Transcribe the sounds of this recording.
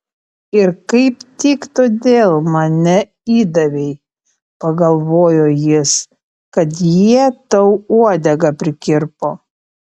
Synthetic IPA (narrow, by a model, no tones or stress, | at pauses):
ɪɾkɐɪpt̪ʲɪkt̪oːd̪ʲeːlˠmɐnʲɛ | iːd̪ɐʋʲɛɪ | pɐɡɐlˠʋoːjoːjɪs | kɐt̪jiɛt̪ɐʊuɔd̪ʲɛɡɐpʲɾʲɪkʲɪɾpoː